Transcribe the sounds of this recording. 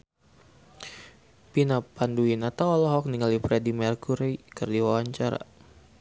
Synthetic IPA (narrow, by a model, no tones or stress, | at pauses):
pinapanduinat̪awɔlɔɦɔk̚niŋalifɾɛdimɛrkuɾeikɨrdiwawaɲt͡ʃaɾa̰